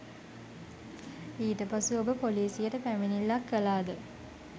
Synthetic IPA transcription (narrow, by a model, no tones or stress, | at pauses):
iːtəpasuobəpoliːsijəʈəpæminilːakːəlaːd̪ə